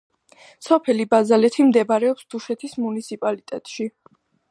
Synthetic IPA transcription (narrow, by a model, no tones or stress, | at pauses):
sɔpʰɛlibazalɛt̪ʰimd̪ɛbaɾɛɔpsd̪̥uʃɛt̪ʰismunit̪sʰipʼalit̪ʼɛt̪ʼʃi